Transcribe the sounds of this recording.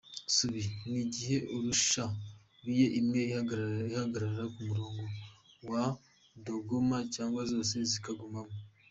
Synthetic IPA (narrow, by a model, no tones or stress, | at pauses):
suβiniɟihe̞ʔuɾuʃa | ɾijeʔimŋe̞iihaɡaɾaɾaɾakumuɾo̞ːŋɡo̞ | wa | do̞ɡomacaːŋɡwazo̞ːse̞zikaɡumamo